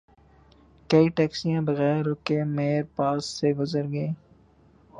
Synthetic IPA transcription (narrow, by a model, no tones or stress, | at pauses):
kɐiʈɛːksijãbɐɣɛːɾoːkemeːɾpaːsːeɡʊzəɾɡɐeː